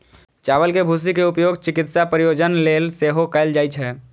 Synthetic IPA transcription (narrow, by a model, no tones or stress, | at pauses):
t͡ʃaːʋəlkebʱus̬ikeupjoːɡt͡ʃɪkɪt̪sapɾijod͡ʒənlelseɦokɛɪld͡ʒaːjt͡ʃʰɦɛː